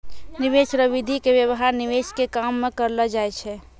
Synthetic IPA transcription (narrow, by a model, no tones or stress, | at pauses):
niʋet͡ʃɾəʋid̪ʱikebjəwɦaɾniʋet͡ʃkekamːekəɾləd͡ʒaɛt͡ʃʰɛ